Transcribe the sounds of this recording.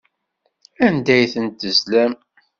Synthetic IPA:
ænd̪æjθənt̪əzlæm

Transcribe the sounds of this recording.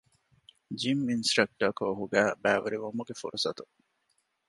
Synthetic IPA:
d͡ʒiminsɾɐk̚ʈɐkoɦuɡæːbæːʋɐɾiʋomuɡefṵɾʔusɐt̪u

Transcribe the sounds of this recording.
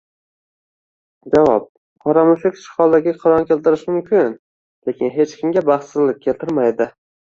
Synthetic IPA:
d͡ʒavɒ̰p̚ | qʰɒɾamʊʃɪkʲʃɪ̥χɒlˠd̪aɡʲɪqʰɑɾɒnkʲʰe̞lt̪ɪɾɪʃmʊmkʲʰɪn | le̞kʲɪnɦe̞t͡ʃkʲʰɪmɡʲabaχt̪ɪzlɪp̚ʲkʲʰelt̪ʰɪɾmajd̪ɪ

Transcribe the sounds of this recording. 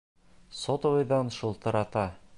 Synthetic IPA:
sot̪ŏvojd̪ɑnʃulˠt̪ɤ̆ɾɑt̪ɑ

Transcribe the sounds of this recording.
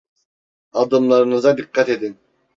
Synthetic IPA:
ɑd̪ɯmlˠɑɾɯnɯzɑd̪iqʰːɑt̪ed̪in

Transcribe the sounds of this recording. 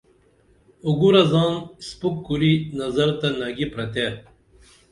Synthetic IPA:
uɡuɾɐzɑːnspukːuɾinɐzɐɾt̪anɐɡipɾɐt̪e

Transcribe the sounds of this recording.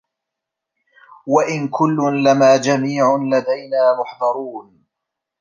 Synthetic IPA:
waʔɪnkʊlːʊnlamaːd͡ʒamiːʕʊnlad̪ajnaːmʊħd̪ˤɑɾˤuːn

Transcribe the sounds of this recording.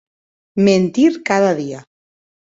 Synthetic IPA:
ment̪iɾkaðaðia

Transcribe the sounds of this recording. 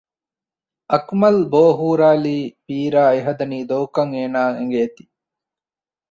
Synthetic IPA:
ʔɐkmɐlboːɦuːɾaːliːpiːɾaːeɦɐd̪ɐniːd̪oːkɐŋeːnaːeŋ̆ɡet̪i̥

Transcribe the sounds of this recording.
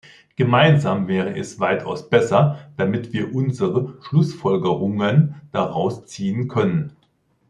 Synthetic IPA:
ɡ̥əmaɪnzaːmvɛːʁəʔɛsv̥aɪtʰa̰ʊsb̥ɛsɐd̥amɪtv̥iːɐʔʊnzəʁəʃlʊsfɔlɡəʁʊŋənd̥aʁaʊst͡siːənkʰœnən

